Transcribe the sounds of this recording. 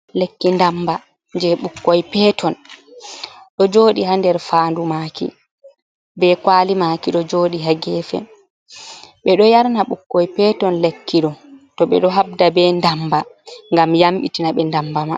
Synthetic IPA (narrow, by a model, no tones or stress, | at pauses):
lekːindamba | ɲd͡ʒɛɓukːɔjpɛtʰɔn | ɗɔd͡ʒoːɗiɦandɛɾfaːndumakḭ | bɛkwaːlimaːkiɗɔd͡ʒoːɗiɦaɡɛːfɛ̰ | ɓɛɗɔjaɾnaɓukːɔjpɛtɔnlekːiɗɔtɔɓɛ̰ɗɔɦab̚dabɛndambaŋɡamjamɓitinaɓɛndambama